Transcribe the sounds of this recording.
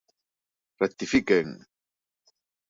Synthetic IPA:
ɾat̪ifikeŋ

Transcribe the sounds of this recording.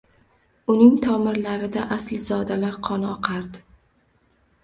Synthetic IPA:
ʊnɪŋt̪ʰɒmɪɾlaɾɪd̪aʔaslzɒd̪alaɾqʰɒnɪɒqʰɑɾd̪ɪ

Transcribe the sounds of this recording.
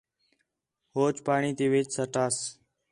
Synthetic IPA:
hoːt͡ʃpaːɳ̃iːt̪iːʋɪːt͡ʃsəʈaːs

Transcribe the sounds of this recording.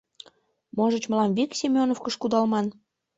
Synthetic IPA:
moʒət͡ɕməlɑmviksʲimʲonofkəʃkud̪ɑlmɑn

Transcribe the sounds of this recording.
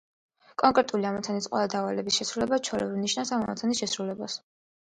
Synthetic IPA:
kʼɔŋkʼɾɛt̪ʼuliamɔt̪sʰanisqʼwɛ̰lˠad̪avalɛbisʃɛsɾulɛbat͡ʃʰɔɾɛ̰bniʃnasamamɔ̰t̪sanisʃɛsɾulɛbas

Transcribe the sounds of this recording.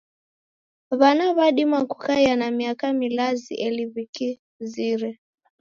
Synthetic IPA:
βanaβaɗimakukajanamiakamilazḭʔɛliβiki | ziɾɛ

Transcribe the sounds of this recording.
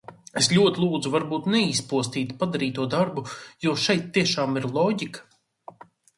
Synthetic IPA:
eslʲuɔt̪ʲilˠuːd̪zuvaɾbuːt̪nɛiːspuɔst̪iːt̪pad̪aɾiːt̪uɔd̪aɾbujɔɔʃɛjt̪ːiɛʃaːmiɾlˠɔːɟʲikḁ

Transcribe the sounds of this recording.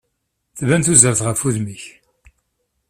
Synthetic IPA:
θvænθuzəɾθʁəfuðmiç

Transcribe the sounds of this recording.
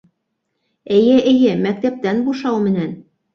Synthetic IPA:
ɘ̆jɘʔɘ̆jɘmæk̚t̪æp̚t̪ænbuʃɑwmɘ̆næn

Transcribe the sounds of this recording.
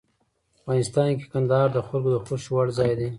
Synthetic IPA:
afɣɑnɪst̪ɑnke̥kand̪ɑɑɾd̪əxalɡod̪əxoʃwaɽzɑjd̪e

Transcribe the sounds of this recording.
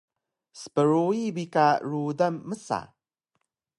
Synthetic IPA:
spəɾoibikaɾudamːəsa̰

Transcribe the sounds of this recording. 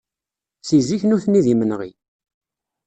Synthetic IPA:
siziçnuθnːiðimənʁḭ

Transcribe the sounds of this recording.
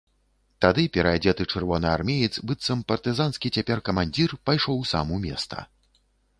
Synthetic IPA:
t̪ad̪ɨpʲɛɾɐd͡zʲɛt̪ɨt͡ʂɨrvɔnɨarmʲejit̪sbɨt̪sːɐmpɐrt̪ɨzanskʲit͡sʲapʲɛrkɐmanʲd͡zʲirpajʂɔwsa̰mumʲɛ̰st̪ɐ̰

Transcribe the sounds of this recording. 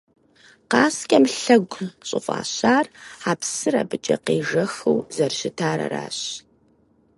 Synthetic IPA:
qɑːskʲʼɐmɬɐɡʷɕʼɨfʼa̰ːɕaːraːpsɨɾɐ̰bɨt͡ʃʼɐqeːʒɐxɨwzɐrɕɪtʰaːɾɐ̰ra̰ːɕ

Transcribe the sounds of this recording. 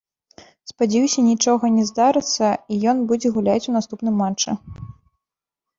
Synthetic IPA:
spad͡zʲɛjusʲɐnʲit͡ʂɔɣɐnʲɛzd̪aɾɨt̪sːɐijɔnbud͡zʲɛɣulʲat͡sʲunast̪upnɨmːat͡ʂt͡ʂːɨ

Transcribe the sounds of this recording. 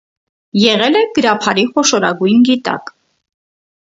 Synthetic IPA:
jɛʁɛlɛɡ̥əɾɑpʰɑɾiχɔʃɔɾɑ̰ɡujnɡit̪ɑ̰k

